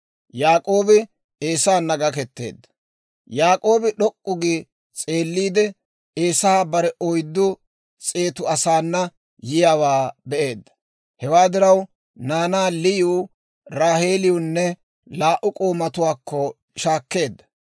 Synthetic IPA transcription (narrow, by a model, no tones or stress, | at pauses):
jaːkʼo̞ːbɪ | e̞ːsaːnːɐɡɐkɛt̪ːe̞̰ːd̪ːɐ̥ | jaːkʼo̞ːbɪɗɔkʼːʊɡi | t͡sʼe̞ːlːiːd̪ɛ | eːsɐhaːbɐɾɛʔɔjd̪ːʊ | t͡sʼe̞ːt̪ʊɐsaːnːɐ | jɪjawaːbɛʔe̞ːd̪ːɐ̥ | hɛwaːd̪ɪɾɐw | naːnaːlɪju | ɾaːhe̞ːlɪjʊnːɛ | laːʔʊkʼo̞ːmɐt̪ʊwaːkːɔ | ʃaːkːe̞ːd̪ːɐ̥